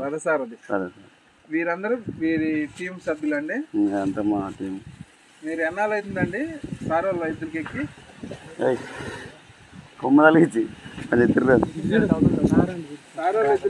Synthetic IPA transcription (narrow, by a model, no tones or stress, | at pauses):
ɐd̪isaːɾɐd̪isa̰ɾsaɾ | ʋiːɾɐnd̪ɐɾuʋiːɾiʈiːmsɐbjulɐɳɖiɐnt̪ɐmaʈiːm | miːɾuɛnːaːlɐjt̪und̪ɐɳɖisaːɾɐllɐjt̪̬uɾikekːi | ej | komːɐd̪aːlit͡ʃiɐnet̪iɾɾad̪u | aɾɐaːɾɐlɐjt̪u